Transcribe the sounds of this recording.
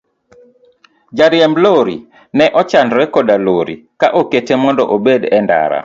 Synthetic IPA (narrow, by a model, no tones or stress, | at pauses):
d͡ʒaɾjɛmloɾi | nɛʔɔt͡ʃanɾɛkɔdaloɾḭkaʔoketemɔndɔʔobedɛnda̰ɾa̰